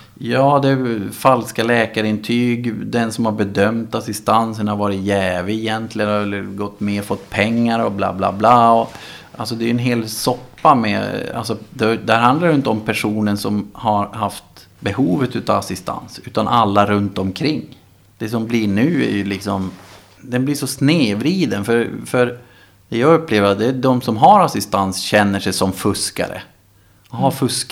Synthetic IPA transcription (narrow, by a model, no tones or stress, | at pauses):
jɑːd̪ɛfalskalɛːkaɾɪnt̪ʰyːɡd̪ɛnsɔmhaɾbɛd̪œmt̪asɪst̪ansənhaɾvɑːɾɪt̪jɛːvɪjɛnt̪ʰlɪɡənɛlːəɡɔt̪ːmeːɾfɔt̪ːpʰɛŋːaɾɔbla̰ːbla̰ːblaːɔ | ʔalsɔd̪ɛjɵɛnɦeːlsɔpːamɛ̰a̰lsɔd̪ɛd̪ɛhæɾɦand̪laɾjʏʏnt̪əɔmpʰæʂuːnənsɔmhaɾɦaft̪ | bɛhuːvət̪ʉ̟ːt̪aːvasɪst̪ʰa̰nsʉ̟ːt̪anʔalːaɾɵnt̪ɔmkʰɾɪŋː | d̪̥ɛs̬ɔmblɪɳʉ̟ːæ̰ɾjɵlɪksɔm | d̪ɛnblɪʂɔsneːvɾiːd̪ənfœɾfœɾ | d̪̥ɛjɑɡɵpːleːvəɾat̪̚d̪ɛd̪ɔmsɔmɦaɾasɪst̪ansɕɛnːəʂɛjsɔmfɵska̰ɾə̰ | haɾfɵsk